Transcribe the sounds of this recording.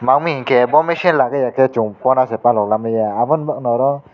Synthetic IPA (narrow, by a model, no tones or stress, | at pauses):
maŋmikʰebɔmeʃinlaɡajakʰet͡ʃuŋpɔnasɛpalɔk̚lamɯjaːbɔnbak̚nɔɾɔ